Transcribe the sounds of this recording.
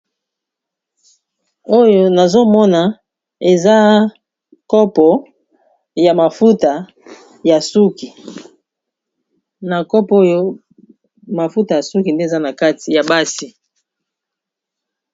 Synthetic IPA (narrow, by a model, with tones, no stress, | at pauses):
o˦jo˦na˨zo˦mɔ˦na˨ | e˨za˦ | kɔ˦pɔ˨ | ja˨ma˨fu˦ta˨ | ja˨su˦ki˨ | na˨kɔ˦po˦jo˦ | ma˨fu˦ta˨ja˨su˦ki˨nde˦˨za˦na˨ka˦ti˨ja˨ba˦si˨